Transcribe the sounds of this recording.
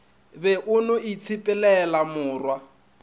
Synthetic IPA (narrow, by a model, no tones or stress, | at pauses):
bɛʔʊnoit͡sʰipʼɛlɛlamʊːrwa